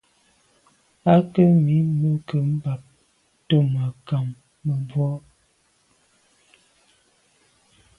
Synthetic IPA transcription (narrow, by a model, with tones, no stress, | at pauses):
a˦kə˦mi˨˦mə˨kə˨m̩˦ba˨p̚ | tə˦mə˨ka˨mː | ə˨bwɔ˦